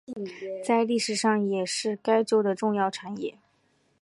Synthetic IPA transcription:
t͡sa˥˧ɪli˥˩ʂɻ̩˨˩ʂɑ˥˩ŋjɛ˨˩ʂɻ̩˥˩ka˥ɪt͡ɕjo˥ʊd̪ə˨ʈ͡ʂʊ˥˧ŋjɑ˥˩ʊʈ͡ʂʰa˨˥˦njɛ˥˩

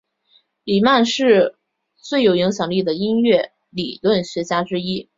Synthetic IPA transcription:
li˨˩ma˥˧nʂɻ̩˥˧ | t͡swe˥˩ɪjo˨˩ʊi˧˥ŋɕ̬jɑ˨˩ŋli˥˩d̪ə˩i˥nɥɛ˥˩ | li˨˩lwə˥˩nɕɥɛ˧˥t͡ɕja˥ʈ͡ʂɻ̩˥i˥

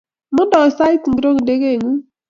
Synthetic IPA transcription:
mʊ˦dɔ˨sa˦i˦t̩˨ɾo˦ŋ˨de˦ke˦˨ŋu˦

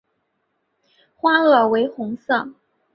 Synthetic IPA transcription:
xwa˥ɤ˥˩we˧˥ɪxʊ˧˥ŋsɤ˥˩

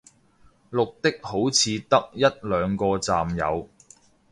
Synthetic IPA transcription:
lʊ˨k̚t̪ɪ˥k̚ho˨˥wt͡sʰiː˨˧t̪ɐ˥k̚jɐ˥t̚lœː˨˧ŋkɔː˧t͡saː˨mjɐ̰˨˧w

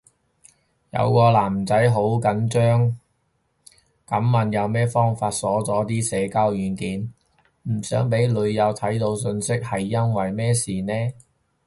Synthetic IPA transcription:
jɐ̰˨˧wkɔː˧laː˨˩mt͡sɐ˨˥jɦo˨˥wkɐ˨˥nt͡ʃœː˥ŋ | kɐ˨˥mːɐ˨njɐ˨˧wmɛː˥fɔː˥ŋfaː˧t̚sɔː˨˥t͡sɔː˨˥t̪iː˥sɛː˨˧kaː˥wjyː˨˥nkiː˨˥n | m̩˨˩sœː˨˥ŋp̬e˨˥jlɵ˨˧ɥjɐ˨˧wt̪ʰɐ˨˥jt̪o˧wsɵ˧nsɪ˥k̚hɐ˨jːɐ˥nwɐ˨jmɛː˥siː˨˩nɛː˥

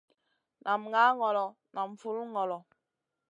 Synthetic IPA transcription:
nʔa˨mŋa˦ŋɔ˨lɔ˨ | na˨m˨fu˦lŋɔ˨lɔ˨

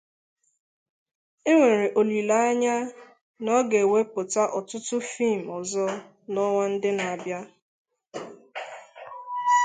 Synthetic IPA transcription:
e˦ŋʷe˨ɾe˨ʔo˨li˨la˨˦a˦ɲa˦ | nɔ˦ɡe˨we˦pʊ˨ta˦ʔɔ˨tʊ˦tʊ˦fi˦˨m̩˨ɔ˨zɔ˦ | nɔ˦ŋʷa˦n̩˦dɪ˦na˨a˨bja˦

